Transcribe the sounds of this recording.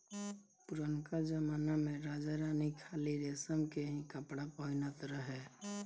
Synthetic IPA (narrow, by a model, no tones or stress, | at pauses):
pʊɾənkad͡ʒəmaːnamẽɾaːd͡ʒaɾaːnikʰaːliɾeːsəmkeɦĩkəpɽapəɦɪnət̪ɾəɦɛː